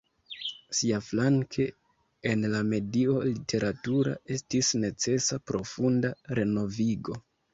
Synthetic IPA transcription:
siaflaŋkʰe̞ | enlame̞dio̞litʰe̞ɾʔatuɾa̰e̞stisne̞t͡se̞sapɾo̞fundaɾe̞no̞viɡo̞

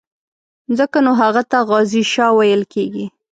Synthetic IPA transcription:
zəkanoɦaɣat̪aɣɑziʃɑwajəlkeɡi

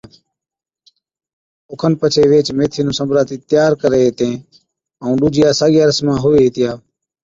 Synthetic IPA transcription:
ʊkʰənpət͡ʃʰeːʋeːt͡ʃmeːt̪ʰiːnũːsəmbʱɾaːt̪iːt̪ɪjaːɾkəɾeːt̪ẽː | əũːɗuːd͡ʒɪjaːsaːɠiəɾəsmãːɦʊːeːɦiːt̪ɪjaː

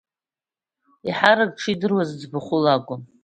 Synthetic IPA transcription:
iħaɾaɡ̚ʈ͡ʂʰidɨrwazd͡zbaχʷʊlaɡʷʼʊm

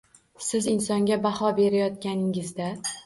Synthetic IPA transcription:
sɪzɪnsɒŋɡʲabahɒbe̞ɾajɒt̪̚kʲanɪŋɪzd̪a

